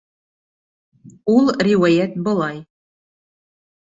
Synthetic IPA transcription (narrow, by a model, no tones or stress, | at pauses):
ulˠrʲiwæjæt̪̚bɤ̆lˠɑj